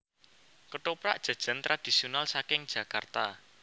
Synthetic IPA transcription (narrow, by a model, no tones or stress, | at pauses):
kəʈopɾa̰ʔd̥ʒ̥ə̤d̥ʒ̥ə̤nt̪ɾad̪̥i̤sionalsakɪŋd̥d͡ʒ̥ä̤kart̪a